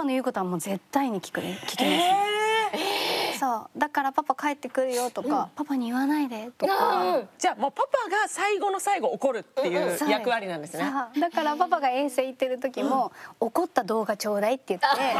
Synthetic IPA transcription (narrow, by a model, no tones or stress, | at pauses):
panojɯːko̞t̪o̞amo̞ːze̞t̪ːaiɲ̟ikʲi̥kɯ̟ɾkʲi̥kʲen | so̞ːd̪akaɾapapakae̞t̪ːe̞kɯ̟ɾɯ̟jo̞t̪o̞kapapaɲ̟iɯβanaid̪e̞t̪okd͡ʑaːmoːpapaɡasaiɡo̞no̞saiɡo̞ːko̞ɾɯ̟t̪ːe̞jɯajakɯ̟βaɾʲinãnd̪e̞sɨnead̪akaɾapapaɡaẽ̞ɰ̃se̞ːit̪ːe̞ɾɯ̟t̪o̞kʲimo̞ːko̞t̪ːad̪o̞ːɡat͡ɕo̞ːd̪ait̪ːe̞jɯ̟tːe